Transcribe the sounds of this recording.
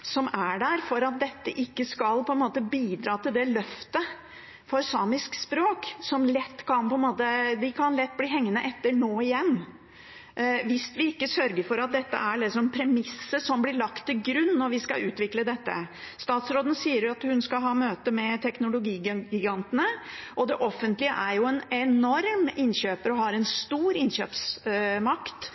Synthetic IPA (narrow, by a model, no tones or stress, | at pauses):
sɔmæɖæɾfɔɾɑt̪̚d̪ɛt̪ːəʔɪkːəskɑlpʰɔɛnmoːt̪əbiːd̪ɾɑːt̪ɪld̪ɛlœft̪ə | fɔɾsɑːmɪskspɾoːksɔmlɛt̪ːkʰɑnpɔɛnmoːt̪əd̪ɪkʰɑnlɛt̪ːbliːɦɛŋːənəʔɛt̪ːəɳoːɪjɛnː | ʋɪst̪ʋɪɪkːəsœɾɡəɾfɔɾɑt̪̚d̪ɛt̪ːə̰æɭɪsɔmpʰɾɛmɪsːəʂɔmblɪɭɑkt̪ʰːɪlɡɾʉnːnɔɾʋɪskɑ̰ʔʉːt̪ʋɪkləd̪ɛt̪ːə̰st̪ɑːt̪sɾoːd̪nəsiːəɾjʊɑt̪hʉnskɑɦɑːmøːt̪əmɛt̪ʰɛknʊlʊɡiːɡɪɡɑnt̪ənəʔɔd̪ɛʔɔfːənt̪lɪəʔæɾjʊɛnɛnɔɾmɪnɕøːpəɾɔhɑɾɛnst̪uːɾɪnɕøːpsmɑkt̪